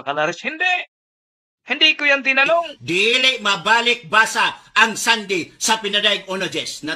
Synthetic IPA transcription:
kɐlaɾɛshɪnd̪ɛʔ | hɪnd̪ikʊjaŋt̪ɪnɐloŋd̪ilɪʔmɐbaːlɪk̚baːsaːŋsand̪ɪsɐpɪnɐd̪ajɡ̚ʔonɐd͡ʒɛsnɐ

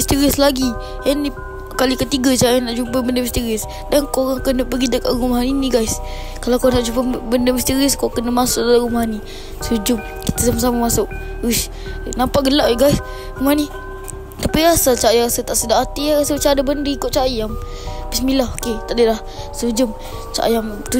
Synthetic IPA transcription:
ist̪əɾɪslaɡi | əni | kalikət̪iɡət͡ʃajanaʔd͡ʒupəbəndəmist̪iɾɪs | dankoɾaŋkənəpəɡid̪əkaʔɣumaɦaniniɡajs | kalawkawnaʔd͡ʒupəbəndəmist̪iɾɪskawkənəmasʊʔ̚dalaɣumɦani | sud͡ʒʊm | ki̥t̪əsamas̬amamasʊʔ | us | nampaʔɡəlaʔeɡajs | ɣumani | t̪apiɾasat͡ʃajaɣasat̪aʔsədahat̪iɣasat͡ʃadabəndəikʊʔt͡ʃajam | bəsmilahoket̪aʔdəlah | sud͡ʒʊm | t͡ʃa̰jam | t̪u

